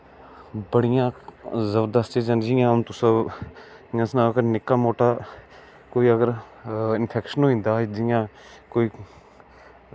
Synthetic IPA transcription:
bəɽɪjãːzəbəɾd̪əst̪id͡ʒənd͡ʒijãmt̪ʊsə | jãsnakəɾnɪkːaːmoːʈaː | koːiːəɡəɾɪnpʰɛːkʃənɦoĩnd̪aːd͡ʒɪjãːkoːiː

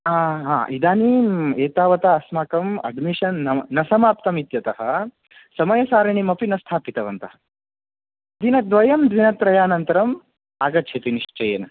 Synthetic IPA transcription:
aɦa̰ːʔid̪aːniːmeːt̪aːʋɐt̪aɐsmaːkɐmɐ̰ɖmiʂɐnːɐːɐsɐmaːp̚t̪ɐmit̪jɐt̪ɐɦɐ | sɐmɐjɐsaːɾɐɳimɐpinɐst̪ʰaːpit̪ɐʋɐnt̪ɐɦɐ̥ | d̪inɐd̪ʋɐjɐmd̪ʋinɐt̪ɾɐjaːnɐnt̪ɐɾɐm | aːɡɐt̪ːt͡ʃʰɐt̪iniʂt͡ʃɐjeːnɐ

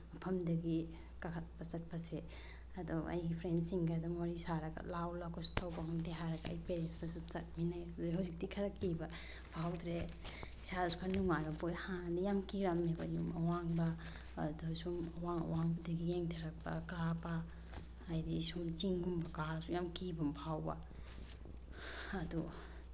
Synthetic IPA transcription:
pʰɐmdɐɡi | kakʰtpɐsɐt̚pase | ɐdɔʔa̰jɡipʰɾensiŋɡadɔmoɾisaɾɐɡa̰lawlakɔstʰawbaɦdeɦaɾɐɡa̰ːjpeɾensasut͡ʃat̚minajdɔjɦawzik̚dikʰɐɾakiba | bʰʱawtɾe | saɾsu̥kʰanuŋajɾampojhanadijamkiɾamneba̰jumawaŋbaː | dusumwaŋ̰waŋbadiɡijeŋtʰeɾak̚ba̰kapaː | jdisut͡ʃiŋɡumbakaɾasujamkibambʰʱawba̰ | adu

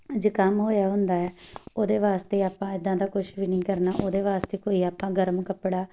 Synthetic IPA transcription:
d͡ʒeːkəmɦoːjaːɦʊnd̪aːɛːoːd̪eːʋaːst̪eːaːpãːɪd̪ːãːd̪aːkʊʃʋiːnĩːkəɾnaːʔoːd̪eːʋaːst̪eːkoːiːaːpãːɡəɾəmkəpɽaː

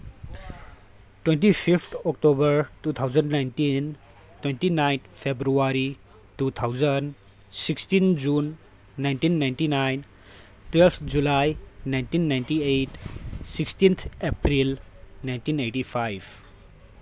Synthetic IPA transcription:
ʈwẽnʈipʰipʰt̪ʰɔk̚ʈobəɾtut̪ʰawzənɖnajnʈin | twenʈinajnt̪ʰpʰebɾuaɾi | tut̪ʰawzənɖ | sikstind͡ʒunː | ajnʈinːajnʈinajn | twelpt̪ʰd͡ʒulajnajnʈinːajnʈiejʈsikstint̪ʰepɾilnajnʈineʈipʰajb

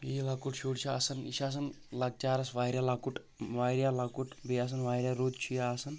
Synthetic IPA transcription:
iːlɐkuʈʃuːɽt͡ʃʰiɐsɐnḭʃaːs̬ɐn | lɐɡ̚t͡ʃaːɾɐsʋaːjɾʲjalɐkuʈ | ʋaːjɾʲjaːlɐkuʈbeas̬ɐnʋaːjɾjaɾoːd̪t͡ʃʰujaːsɐn

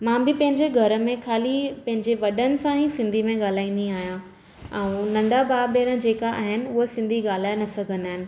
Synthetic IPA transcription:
mãːbɪpɐ̃ɦɪ̃ɲd͡ʑeɡʱɐɾə̆mẽkʰaːlipɐ̃ɦɪ̃ɲd͡ʑeʋɐɗənɪ̆sãɦisɪ̃nd̪ʱimẽɠaːl̤aːind̪ĩaːɦijã | ɛ̃ũnɐ̃ɳɖabaːbeːɾə̃d͡ʑeːkaʔa̰ːɦɪnɪ̆ʊɦesɪ̃nd̪ʱiɠaːl̤aːjnɐsɐɡʱə̃nd̪aːɦɪnɪ̆

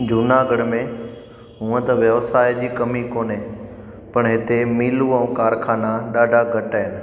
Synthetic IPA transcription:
d͡ʑʊnaɡəɽmẽ | ɦũə̃t̪ɐʋjɐʋsaːjd͡ʑiːkɐmikoːnɦẽː | pɐɽ̃ɦɪt̪emiːluə̃ũkaːɾkʰaːnaɗaːɖʱaɡʱɐʈaɦɪnɪ̆

